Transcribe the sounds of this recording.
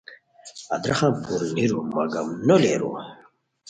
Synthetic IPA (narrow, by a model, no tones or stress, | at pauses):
ad̪ɾaχampʰuɾiniɾumaɡamnɔlɛɾṵ